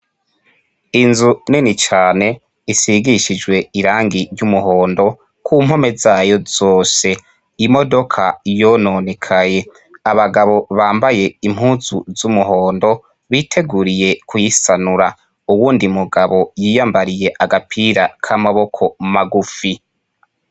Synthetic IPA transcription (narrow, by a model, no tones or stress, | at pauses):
inzuninit͡ʃaːne̞ | isiɡiʃid͡ʒwe̞iɾaːŋɡiɾɟumuho̞ːndo̞ | kʰum̥ho̞me̞zaːjo̞zoːse̞ | imo̞do̞kʰajononekʰaje̞ | aβaɡaβo̞βaːmbaje̞im̥huːz̥uzumuɦo̞ːndo̞ | βitʰe̞ɡuɾije̞kʰujisanuɾa | uwuːndimuɡaβo̞jiːjambaɾije̞ʔaɡapʰiɾakʰamaβo̞kʰo̞maɡufi